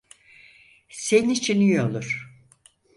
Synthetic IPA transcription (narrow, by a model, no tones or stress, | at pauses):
senit͡ʃʰinijolˠuɾ̥